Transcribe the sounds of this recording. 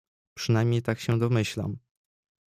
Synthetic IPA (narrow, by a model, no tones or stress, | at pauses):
pʂɘnajmʲɲejt̪akɕɛd̪ɔmɘɕla̰m